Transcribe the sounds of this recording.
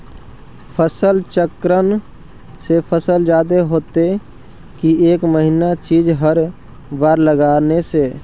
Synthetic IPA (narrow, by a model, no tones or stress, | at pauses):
pʰəsəlt͡ʃəkɾən | sepʰəsəld͡ʒaːd̪eɦoːt̪e | kieːkməɦinat͡ʃiːd͡ʒɦəɾ | ʋaːɾləɡaːneseː